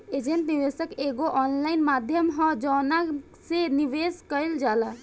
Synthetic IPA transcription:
ed͡ʒenʈniʋesəkeɡoʔɔnlaɪnmad̪ʱjəmɦɔ̃d͡ʒɔna | seniʋeskəɪld͡ʒala

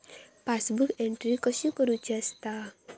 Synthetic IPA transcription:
pasbukɛndɾikɔsjukəɾud͡ʒast̪a

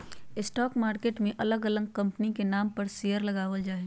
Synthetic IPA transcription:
ɪsʈɔːkmaːɾkeːʈmẽʔɐləɡɐləɡkɐ̃mpnikenaːmpəɾsejəɾlɐɡaːʋəld͡ʒaːe

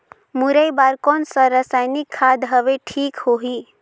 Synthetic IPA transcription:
muɾəjbaɾkɔnsəɾəsajnikʰːad̪ɦəʋeʈʰiːkhoɦi

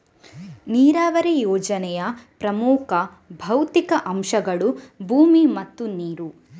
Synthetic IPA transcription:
niːɾaːʋɐɾejɔːd͡ʒɐnɛjɐpɾɐmuːkʰɐ | bʱɐwt̪ikɐʔɐmʃɐɡɐɭubʱuːmimɐt̪ːuniːɾu

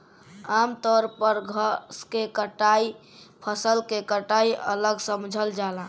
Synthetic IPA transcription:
aːmt̪ɔɾpəɾɡʱəskekəʈai | pʰəsəlkekəʈaiʔələɡsəmd͡ʒʱəld͡ʒalã

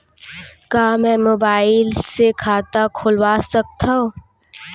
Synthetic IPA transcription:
kaːmɛ̃ːmoːbaːɪlsekʰaːt̪akʰolwaːsɐk̚t̪ao

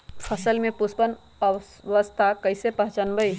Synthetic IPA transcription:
pʰəsəlmẽpʊspən | ə | ʋəst̪ʰakəɪsepəɦt͡ʃənbəi

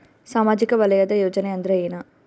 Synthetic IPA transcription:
saːmaːd͡ʒɪkːɐʋɐlɐjaːðɐjoːd͡ʒɐnɛɐnd̪ɪɾɐjenaː

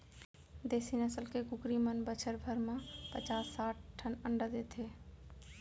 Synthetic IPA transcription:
d̪eːsinəsəlkekʊkɾimənbət͡ʃʰəɾbʱəɾmãpət͡ʃaːsːaːʈ̚ʈʰːənə̃ɳɖəd̪eːt̪ʰeː

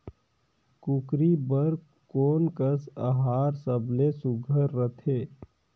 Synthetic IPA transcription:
kʊkɾibəɾ | koːnkəsəɦaːɾsəblesʊɡʱəɾːət̪ʰeː

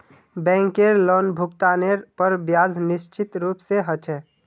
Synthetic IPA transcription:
bɛ̃ːŋkeɾloːnbʱʊkt̪aːneɾpəɾbjaːd͡ʒnɪʃt͡ʃɪt̪ɾuːpseɦət͡ʃʰɛ

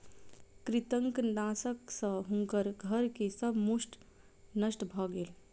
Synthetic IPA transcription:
kɾit̪əŋknãsəksə̃ɦũŋkəɾɡʱəɾkesəbʱmusʈ | nəsʈbʱɔɡeːl

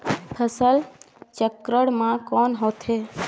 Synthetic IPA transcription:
pʰəsəl | t͡ʃəkɾəɽmãkɔnɦot̪ɦe

